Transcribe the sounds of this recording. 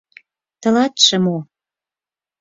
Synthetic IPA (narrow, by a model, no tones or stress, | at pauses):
t̪ɤ̆lɑt̪ʃə̆mo